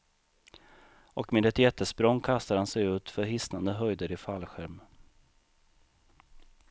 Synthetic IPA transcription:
ɔkmɪd̪ɛt̪ɪɛt̪ːəspɾɔŋːkʰast̪aɾhansɛjʉ̟ːt̪fœɾɦɪsnand̪əɦœjd̪əɾɪfalɧæɾm

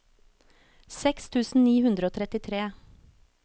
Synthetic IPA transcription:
sɛkst̪ʰʉːsn̩niːhʉnd̪ɾəoːt̪ʰɾɛt̪ɪt̪ʰɾeː

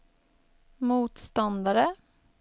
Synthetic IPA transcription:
muːt̪st̪ɑnd̪aɾə

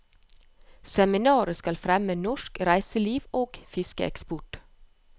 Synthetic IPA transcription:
sɛmɪnɑːɾəskɑlfɾɛmənɔʃkɾæɪsəliːʋoːɡ̥fɪskə̰ʔɛ̰kspʊʈ

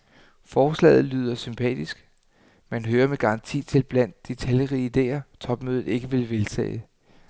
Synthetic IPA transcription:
fɒːslɛ̰ːð̞̩ˠlyːð̞ˠɐsympʰɛ̰ːd̥isɡ̥ | mænɦøːɐmeɡ̥ɑ̈ɑ̈nt͡sʰḭːt͡sʰe̝lb̥læn̰d̥ːet͡sʰæljəʁiːid̥e̝̰ːɐt͡sʰɒ̽b̥møːð̩ˠe̝ɡ̥əʋe̝lʋe̝lt͡sʰɛ̰ː

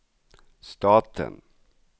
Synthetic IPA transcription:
st̪ɑːt̪ʰə̰n

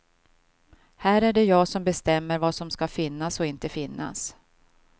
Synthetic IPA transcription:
hæːɾæɖɛjɑːɡsɔmbɛst̪ɛmːəɾvasɔmskafɪnːasɔɪnt̪əfɪnːa̰s

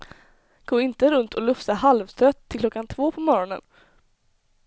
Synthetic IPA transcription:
ɡ̥oːɪnt̪əɾɵnt̪ʰɔlɵft̪aɦalvt̪ʰɾœt̪ʰːɪlklɔkːant̪ʰvoːpʰɔmɔɾɔnə̰n

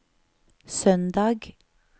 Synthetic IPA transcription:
sœnd̪ɑːɡ

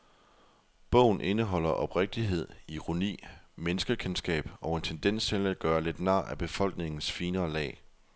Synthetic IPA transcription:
b̥ɔ̰̽ʊ̰n̩ʔe̝nəɦɒ̽l̰ɐʔɒ̽b̥ʁeɡ̥̚d̥iɦe̝ð̞̰ˠiʁo̝nḭːmenəsɡ̥ɐkʰensɡ̥ɛ̰ːb̥ɒ̽e̝nt͡sʰend̥en̰st͡sʰelæd̥̚ɡ̥ɶːɐle̝d̥nɑ̈ːʔæb̥e̝fɒ̽l̰ɡ̥ne̝ŋn̩sfiːnɐːlɛ̰ː

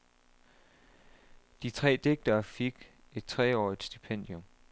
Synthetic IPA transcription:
d̥it͡sʰʁɛ̰ːd̥e̝ɡ̥̚d̥ɐːfeɡ̥ | e̝d̥̚t͡sʰʁɛɒ̰ːid̥sd̥ipʰen̰d̥jɔm

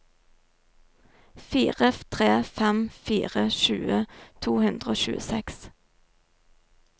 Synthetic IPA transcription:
fiːʁət̪ʰʁeːfɛmfḭːʁəʃʉːət̪ʰuːhʉnd̪ʁəoːʃʉ̰ːəsɛks

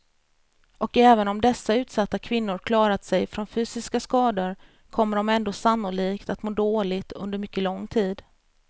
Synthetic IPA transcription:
ʔɔkɛːvənɔmd̪ɛsːaʉ̟ːt̪sat̪ːakʰvɪnːʊɾkʰlɑːɾat̪sɛjfɾɔnfyːsɪskaskɑːd̪əɾ | kʰɔmːəɖɔmɛnd̪oːsanːʊliːkt̪at̪moːd̪oːlɪɡt̪ɵ̰nd̪əɾmʏkːəlɔŋːt̪ʰiːd̪

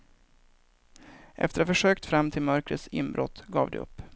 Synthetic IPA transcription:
ʔɛ̰ft̪əɾafəʂøːkt̪fɾamːt̪ʰɪlmœɾkɾət̪sɪ̰mbɾɔ̰t̪ːɡɑ̰ːvd̪ɛ̰ɵ̰pː

